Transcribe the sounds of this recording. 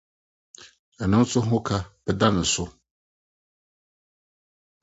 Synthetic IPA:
ɛ˨nʊ̃˦n˦sʊ˦ɦʊ̃˦kʰa˦b̥ɛ˨dã˦nɪ̃˨sʊ˦

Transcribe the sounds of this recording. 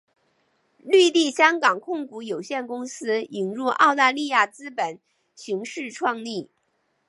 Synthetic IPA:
ly˥˧t̪i˥˩ɕjɑ˥ŋkɑ˨˩ŋkʰʊ˥˩ŋku˧˥jo˨˩ʊɕjɛ˥˩nkʊ˥ŋsɹ̩˥i˨˩ŋɻu˥˧ʔɑ˥˧ʊt̪a˥˧li˥˧ja˥˩t͡sɹ̩˥pə˨˩˦n | ɕi˧˥ŋʂɻ̩˥˧ʈ͡ʂʰwɑ˥˧ŋli˥˩

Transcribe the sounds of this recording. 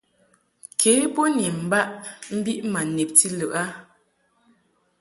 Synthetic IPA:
kʰeː˨˦pɔ˦ni˨m̩˨ba˦ʔm̩˦bi˦ʔma˨ne˨p̚ti˦lɯ˨ʔa˦

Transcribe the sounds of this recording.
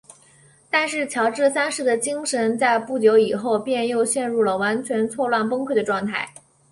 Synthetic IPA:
t̪a˥˧nʂɻ̩˥˩t͡ɕʰjɑ˧˥ʊʈ͡ʂɻ̩˥˩sa˥nʂɻ̩˥˩d̪ə˩t͡ɕi˥ŋʂə˧˥nt͡sa˥˧ɪpu˥˩t͡ɕjo˧˥ʊi˨˩xo˥˧ʊpjɛ˥˧njo˥˧ʊɕjɛ˥˧nɻu˥˩lə˩wa˧˥nt͡ɕʰɥɛ˧˥nt͡sʰwɔ˥˧lwa˥˩npɤ˥ŋkʰwə˥˩d̪ə˩ʈ͡ʂwɑ˥˧ŋt̪ʰa̰˥˩ɪ

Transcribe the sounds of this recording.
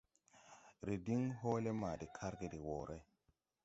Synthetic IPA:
ɾi˨di˦ŋɦo˦le˦maː˨di˨kʰa˦ɾɡe˨di˨wo˨ɾʔe˦

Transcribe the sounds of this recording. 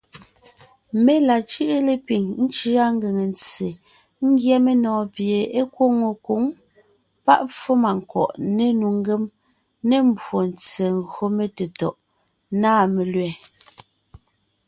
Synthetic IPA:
me˦la˨t͡ʃɯ˦ʔe˦le˨pi˨ŋn̩˦t͡ʃi˦a˦ŋ˦ɡe˨ŋe˨nt͡se˨ | ŋ̩˦ɡjɛ˦me˨nɔ̃ː˨pje˨e˦kwo˦ŋo˨ku˨˦ŋ | pa̰˦ʔp͡fo˦ma˨ŋ˨kɔ̰˨ʔne˨nu˨ŋ˦ɡe˦m | ne˦˨m̩˦˨bwo˨n˨t͡se˨ŋ˨ɣɰo˦me˨te˨tɔ˨ʔ | naː˦˨me˨lɥɛ˨

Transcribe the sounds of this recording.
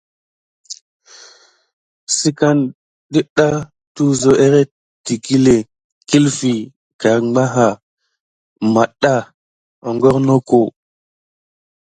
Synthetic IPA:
si˦ka˦n | ɗi˦ɗa˦ | tu˦zo˨ʔe˦ɾe˦ | ti˨ki˦le˨ | ki˦lfi˨ | ka˨ɾa˦ɦa˨ | ma˨ɗa˦ | o˨ŋɡo˦ɾno˦ko˨

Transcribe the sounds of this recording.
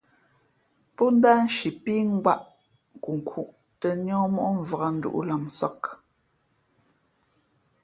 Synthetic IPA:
pɔ˦n̩˦daː˦n̩˦ʃi˨piː˦ŋ̩˦ɡwa˦ʔ | ŋ˨ku˨ŋ˨kʰu˨ʔ | tə˨ɲɔ̃ː˦mɔ˦ʔɔ˦ɱ̩˨və˨ɣa˨n̩˦dṵ˨ʔṵ˦la˨msɔ˦k

